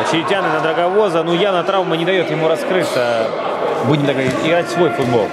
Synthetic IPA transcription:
t͡ɕɪɾʲɪtʲanɨnəd̪ɾəɡɐvo̞zənujanɐt̪ɾavmənʲɪd̪ɐjo̞t̪jɪmuɾɐskɾɨt̪sə | budʲɪmd̪əɡɐiɪɡɾatʲsvo̞jfʊd̪̚bo̞̰lˠ

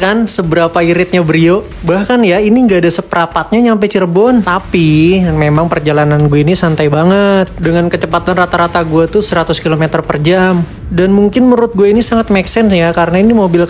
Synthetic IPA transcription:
kansəbəɾapaiɾɪt̪̚ɲabəɾio | bahkanjainiŋɡaːdasəpəɾapat̪̚ɲaɲampet͡ʃərbɔnt̪apimemaŋpərd͡ʒalananɡuainisant̪ajbaŋət̪̚dəŋankət͡ʃəpat̪anrat̪aɾat̪aɡuat̪usəɾat̪ʊskilomet̪ərpərd͡ʒam | danmuŋkɪnməɾʊt̪̚ɡuainisaŋat̪̚mɛksɛnsjakaɾənainimobɪl

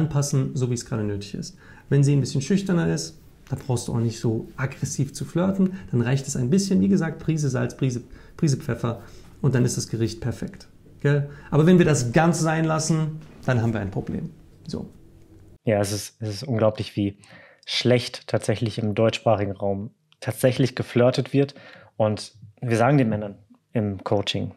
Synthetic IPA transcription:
ʔanpʰasn̩zoːviːsɡ̥ʁaːɾənøːtɪçɪ̰st | vɛnziːnbɪsçənʃʏçtɐnɐʔɪst | d̥anbʁaʊxstd̥uːʔa̰ʊxnɪçtz̥oːʔaɡʁɛsiːft͡suflœɐtn̩d̥anʁaɪçtɛ̥saɪnbɪsçənviːɡəzaːk̚tpʁ̥iːzəzalt͡sbʁ̥iːzəb̥ʁ̥iːzəp͡fɛfɐ | ʔʊntd̥anɪstd̥asɡ̥əʁɪçt̚pʰɛɐfɛkt | ɡ̥ɛlʔaːbɐvɛnviːɐdasɡ̥ant͡sz̥aɪnlasn̩d̥anɦaːbm̩viɐaɪnpʁ̥oblḛːm | zo̰ː | jaːɛsɪstɛsɪstʔʊnɡlaʊplɪçv̥iː | ʃlɛçttʰːaːtz̥ɛçlɪçɪmdɔʏtt͡ʃʃpʁ̥aːχɪɡŋ̩ʁaʊm | tʰaːtz̥ɛçlɪçɡ̥əflœɐtətv̥ɪɐtʔʊntviːɐzaːɡŋ̩deːnmɛnɐn | ɪmkʰoʊt͡ʃɪŋ

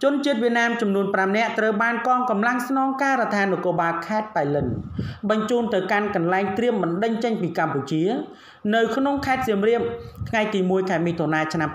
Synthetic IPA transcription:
t͡ɕʊənt͡ɕiət̪̚ʋiət̪̚naːmt͡ɕɑmnuənpramnɛ̆əʔt̪rəwɓaːnkɑːŋkɑmlaŋsnɑːŋkaːɾət̪ʰaːnukoːɓaːlkʰaɛt̪̚pajlɨnɓɑɲt͡ɕuːnt̪ɨwkankɑnlaɛŋt̪riəmɓɨnɗəɲt͡ɕəɲpiːkamput͡ɕiə | nɨwkʰnoŋkʰaɛt̪̚siəmriəmt̪ʰŋajt̪iːmuəjkʰaɛmiːt̪ʰonaːt͡ɕʰnam

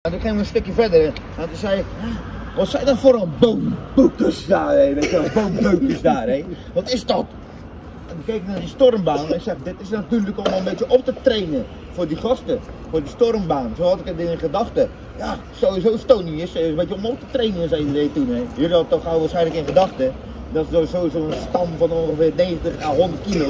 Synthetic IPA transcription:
andɔxɪːʋəənstøkjəfɛdərɛ | antəsɛjja | ʋɔsɛjdɔnfoɾɔlˠboːnbukəsdaːreːʋetəɔboːnbøːkəsdaːre | ʋɔtɪsdɔt | əkekknaninstormbaːnnɪksɛxdɪtɪsnatyːləkomənbetjəʔop̚tətreːnə | fʊːrdiχɔstə | fʊːrdistormbaːnsoɔtɪkədɪnɪnχədaxtə | ja | soːizoːnstoːniɪssəbetjəomop̚tə̥treːnənəsaidəreːtunɛjirɔtoxaːʋaːsχɛjnləkɪnxədɑxtə | dɔtosoːizoːənstɔmfɔnonxəfɪːrneːɣəntəxaɦondərtkilo

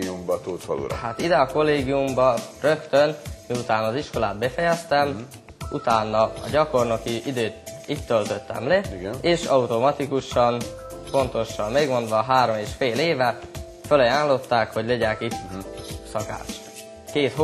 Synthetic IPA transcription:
umbɒt̪oːt̪fɒ̰lṵɾhat̪id̪ɛɒko̞lːeːɡiumbɒrøkt̪ønmiut̪aːnɒːziʃko̞laːt̪̚bɛfɛjɛst̪ɛm | ut̪aːnːɒɒ̰ɟɒko̞rnokiʔid̪øːt̪it̪ːølt̪ø̞t̪ːɛ̰mleiɡneːʃɒut̪o̞mɒt̪ikuʃɒn | po̞nt̪o̞ʃɒmmeɡmo̞nd̪ʋɒːɦaːɾo̞meːʃfeːleːvɛ | følɒjaːnlo̞t̪ːaːkho̞ɟleɟɛkit̪sɒka̰ːʃ | keːt̪h

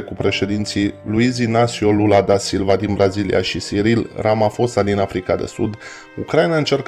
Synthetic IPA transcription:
kupɾe̞ʃe̞d̪int̪siluizinasiolulad̪asilvad̪inbɾazilḭʔa̰ʃisiɾilramafo̞sad̪inafɾikad̪e̞̰sud̪ | ukɾajnaɨnt͡ʃe̞rk

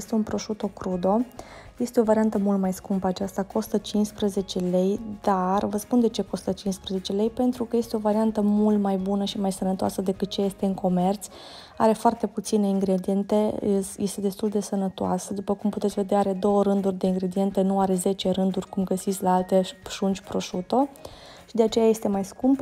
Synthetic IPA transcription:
jest̪e̞unpɾo̞ʃut̪o̞kɾud̪o̞ | je̞st̪eovaɾiant̪əmult̪majskumpəːt͡ʃast̪ako̞st̪ət͡ʃinspɾəze̞t͡ʃe̞le̞jd̪arvəspund̪e̞t͡ʃe̞ko̞st̪ət͡ʃinspɾəze̞t͡ʃe̞le̞jpe̞nt̪ɾukəje̞st̪eo̞vaɾiant̪əmult̪majbunəʃimajsənət̪oa̰səd̪e̞kɨt̪̚t͡ʃe̞jest̪e̞ɨŋko̞me̞rt̪sʲ | a̰ɾe̞foart̪e̞put̪sine̞iŋɡɾe̞d̪ie̞nt̪ejest̪e̞d̪e̞st̪uld̪e̞sənət̪oa̰səd̪upəkumput̪esʲve̞d̪aaɾe̞d̪o̞wəɾɨnd̪urʲd̪e̞iŋɡɾe̞d̪ie̞nt̪enuaɾe̞ze̞t͡ʃe̞ɾɨnd̪urʲkumɡəsit̪sʲlaalt̪eʒund͡ʒʲpɾo̞ʃut̪o̞ | ʃid̪e̞at͡ʃe̞jaje̞st̪e̞majskump

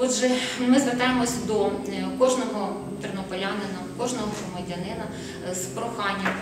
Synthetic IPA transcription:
ɔdʒɛmɪzʋert̪ɑjemɔsʲɐd̪ɔkɔʒnɔɦɔ | nt̪ernɔpɔjʲaɦnenɐkɔʒnɔɦɔɦɾɔmɐdʲɐnɪnɐ | spɾɔxɑnʲːɐ

